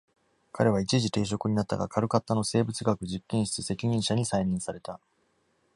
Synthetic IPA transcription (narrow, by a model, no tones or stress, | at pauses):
kʰaɾe̞β̞ait͡ɕiʑit̪e̞ːɕ̬o̞kɯ̟ɲ̟inat̪ːa̰ɡa̰kʰaɾɯ̟kat̪ːano̞se̞ːbɯ̟t͡sɨɡakɯ̟ʑikːẽ̞ɰ̃ɕi̥t͡sɨse̞kʲiɲ̟ĩɰ̃ɕaɲ̟isaiɲʲĩɰ̃saɾe̞t̪a